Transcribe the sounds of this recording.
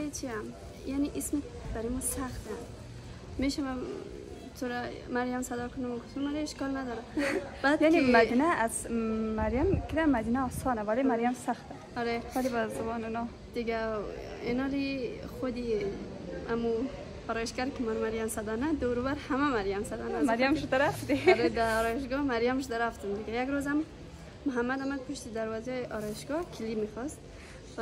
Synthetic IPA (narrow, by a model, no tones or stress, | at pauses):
t͡ʃʰiam | janiʔismi | b̥aɾimɔsaxt̪a | miʃama | t̪ʰuɾamaɾjamsad̪ɔkʰʊnamkt̪ʰumaɾiiʃkɔlnad̪ɔɾab̥ad̪janimad̪inaːzːaɾjamkʰiɾamːad̪inaɔsɔnavalemaɾjamsaxt̪a | ɔɾevalibazabɔnunɔ | d̪̥iɡa | inɔɾiχod̪i | a̰mu | aɾɔjiʃɡaɾkʰimaɾmaɾjamsad̪anad̪oɾubaɾhamamaɾjamsad̪anamaɾjamʃd̪aɾaft̪iɾed̪aɔɾɔjiʃɡɔmaɾjamʃd̪aɾaft̪umd̪ɪɡajaɡɾozamː | ʊɦamːad̪amad̪̚pʰuʃt̪id̪aɾwɔzɔjʔɔɾɔjiʃɡɔkʰilimixɔst̪